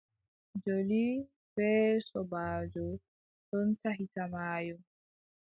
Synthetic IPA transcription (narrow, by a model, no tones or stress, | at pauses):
d͡ʒoli | bɛːsɔbaːd͡ʒɔ | ɗɔntaɦitamaːjɔ